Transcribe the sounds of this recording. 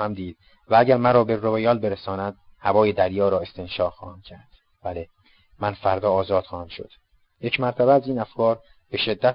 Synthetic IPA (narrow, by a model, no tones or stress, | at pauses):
hæmd̪iːd̪̥̚ | vææɟæɾmæɾɒːbe̞rovejɒːlbe̞ɾesɒːnæd̪̥̚hævɒːjed̪æɾjɒːɾɒːe̞st̪ʰe̞nʃɒːxɒ̰ːhæmcʰæɾd̪̥ | b̥æle | mænfæɾd̪ɒːɒːzɒːd̪̥xɒːhæmʃo̞̰d̪̥ | je̞cʰmæɾt̪ʰæbeæziːnæfkʰɒːɾ | beʃe̞d̪ːæ